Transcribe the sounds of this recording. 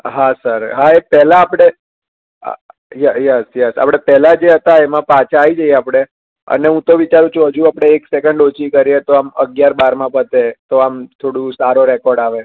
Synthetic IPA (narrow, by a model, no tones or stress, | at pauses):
ɦasəɾɦaepɛlãːpɽ̃ḛ | jɛjɛsjɛsa̰pɽ̃epɛlad͡ʒeɦət̪aemãpat͡ʃʰaːid͡ʒəijeapɽ̃e | ə̰neɦũt̪oʋit͡ʃaɾũt͡ʃʰũɦəd͡ʒũapɽ̃eːksɛkəɳɖot͡ʃikəɾiet̪oaməɡjaɾbaɾmãpət̪et̪oamt̪ʰoɽũsaɾoɾɛkɔɾɖaʋe